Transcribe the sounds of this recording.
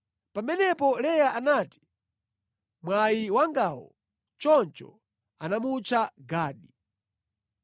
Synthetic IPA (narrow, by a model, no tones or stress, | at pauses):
pamɛnɛpɔlɛjaʔanaːti̥ | mwajiwaŋɡawɔ̰ | t͡ʃɔnt͡ʃɔ̰ | anamut͡ʃaɡaːɗi